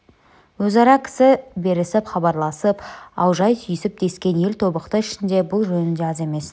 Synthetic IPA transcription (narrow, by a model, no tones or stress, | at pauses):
wɵzɑɾɑkʲʰɪ̥sɪbe̞ɾɪsɪpχɑbɑɾlˠɑsəpɑ̰wʒɑjsʰʏjɪsɪp̚d̪̥e̞skʲe̞nje̞lt̪ʰo̞bəqt̪əɪʃɪnd̪e̞bʊlˠʒɵnɪnd̪eɑze̞me̞s